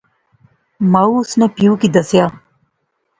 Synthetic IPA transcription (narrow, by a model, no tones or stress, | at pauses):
maːuʊsnepijũkid̪əsjaː